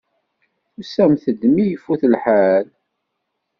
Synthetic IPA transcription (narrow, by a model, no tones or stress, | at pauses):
usæmθəd̪mijəfːuθəlħal